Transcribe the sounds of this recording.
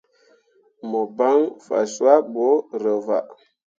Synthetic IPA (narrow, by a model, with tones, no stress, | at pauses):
mə˨ba˦ŋfa̰˨su˦a˦bo˨˦ɾə˨va̰˨